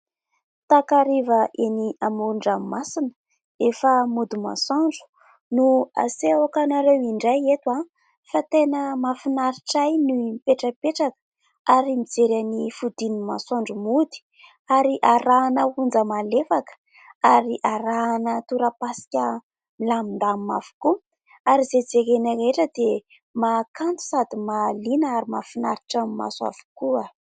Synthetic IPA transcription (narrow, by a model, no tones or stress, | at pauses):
t̪akaɾivəʔeniamuɳɖ͡ʐamasinə | efəmud̪ima̰saɳɖ͡ʐu̥ | nua̰seakanaɾewiɳɖ͡ʐajet̪wa | fat̪enəmafinaɾiʈ͡ʂajnumpeʈ͡ʂəpeʈ͡ʂakə̥ | aɾimid͡zeɾanifud̪inima̰saɳɖ͡ʐumud̪i̥ | aɾiʔaɾaːnəund͡zəmalefakə̥ | aɾiʔaɾaːnət̪uɾapasi̥kʲə | milamind̪amima̰v̥u̥ku | aɾized͡zekenəɾeʈ͡ʂəd̪e | makant̪u̥sad̪imalinəaɾimafinaɾiʈ͡ʂamma̰sa̰vu̥kua